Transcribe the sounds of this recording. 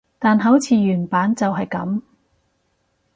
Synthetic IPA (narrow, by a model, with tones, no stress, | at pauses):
t̪aː˨nɦɐ˨˥wt͡sʰiː˨˧jyː˨˩npaː˨˥nt͡sɐ˨wɦɐ˨jkɐ˨˥m